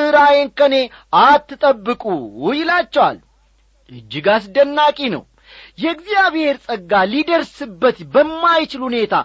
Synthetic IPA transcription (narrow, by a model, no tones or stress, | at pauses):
ɨɾajeŋkəne̞ʔat̪ːɨt̪ʼəbːɨkʼuwujɪlat͡ʃːɛwa̰l | ʔɨd͡ʒːɪɡasd̪ənːakʼinə̰w | jɛɡzijaβhe̞ɾsʼəɡːalid̪əɾsɨbːət̪bəmːajt͡ʃɪlhune̞t̪ʰa̰